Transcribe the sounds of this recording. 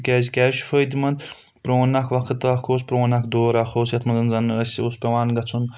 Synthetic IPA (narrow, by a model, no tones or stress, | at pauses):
kʲɛːzʲikʲɛːzʃu̥fəːjd̪imɐnd̪ | pɾoːnɐkʰʋɐkɨt̪ɨɐkʰoːs̬pɾoːnɐkʰd̪oːɾaːxoːsjɐt̪ʰmɐnzɐnzɐnəsʲoːspʲɐʋaːnɡɐt͡sʰun